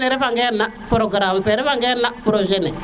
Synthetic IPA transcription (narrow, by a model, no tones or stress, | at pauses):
neɾefaŋɡɛɾna | pɾoɡɾampɛɾefaŋɡɛɾnapɾoʒene